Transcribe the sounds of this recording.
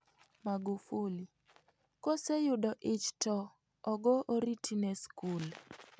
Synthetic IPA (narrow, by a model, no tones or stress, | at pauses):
maɡufuli | kɔsɛjʊdɔʔɪt͡ʃtɔ | ɔɡɔʔoɾitʰinɛskul